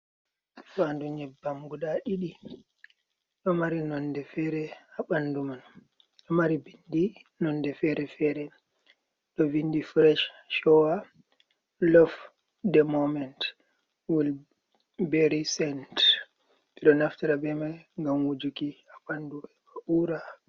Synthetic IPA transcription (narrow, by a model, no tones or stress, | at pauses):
fanduɲɛbːamɡuɗaɗiɗi | ɗɔmaɾinɔndɛfɛɾɛaɓanːduman | ɗɔmaɾibindinɔndɛfɛɾɛfɛɾɛ | ɗɔvindifɾɛʃʃɔwa | lɔf | dɛmɔmɛnt | wil | bɛɾisɛnt | biɗɔnaftaɾabɛmaŋɡamwud͡ʒukiaɓanduɛɓauɾa